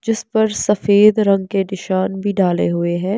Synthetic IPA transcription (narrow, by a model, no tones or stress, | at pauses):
d͡ʒɪspɐɾsɐfeːd̪ɾɐ̃ŋɡ̚kenɪʃaːnbʱiɖaːlḛɦʊeɦɛ̃ː